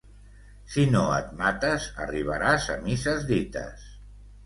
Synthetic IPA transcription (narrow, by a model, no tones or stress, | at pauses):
sinoə̰t̪̚mat̪əzə̰riβ̞əɾazə̰misəzðit̪ə̰s